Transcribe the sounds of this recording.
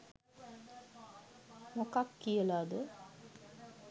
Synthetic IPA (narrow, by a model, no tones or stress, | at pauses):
nokakːijəlaːd̪ə